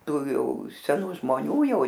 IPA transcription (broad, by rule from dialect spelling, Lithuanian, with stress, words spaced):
ˈtuː ˈjɛʊ sʲɛˈnuː ʒmoːˈnʲuː ˈjɛʊ